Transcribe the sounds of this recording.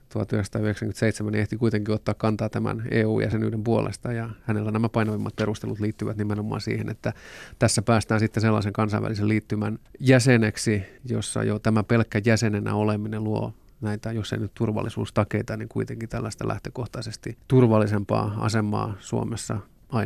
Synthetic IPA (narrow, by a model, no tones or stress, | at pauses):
t̪uhɑ̰t̪yheksɑ̥t̪ɑːyeksæŋkymnt̪seit̪semæneht̪ikuit̪eŋkiot̪ːɑːkkɑnt̪ɑːt̪æmæ̰neːuːjʔæ̰senyːɾempuolḛst̪ɑjɑhænelːænæmæpɑinɑʋimːɑt̪̚perust̪elut̪liːt̪ːyʋæt̪nimenomˑɑ̰ːsḭːhḛnet̪ːæt̪æsːæpæːst̪æːnsit̪ːeselːɑ̰iseŋkɑnsɑ̰ʋæ̰liseliːt̪ːymænjæseneksijosːɑ̰jot̪æmæpelkːæjæsenenæ̰olemineluo̰ | næit̪æjosːḛinyt̪t̪urʋɑ̰lːisṵːst̪ɑkeit̪ɑniŋkuit̪eŋkit̪ælːæst̪ælʔæ̰ht̪økoht̪ɑisest̪it̪urʋɑlːisempɑ̰ːɑ̰semɑ̰ːsuo̰mesːɑ̰ | ɑ